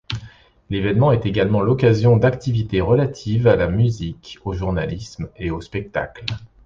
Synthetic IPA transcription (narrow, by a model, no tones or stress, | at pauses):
levɛnmɑ̃ɛt̪eɡalmɑ̃lɔkazjɔ̃d̪akt̪ivit̪eʁəlat̪ʰivalamyzikoʒuʁna̰lismeospɛk̚t̪a̰kl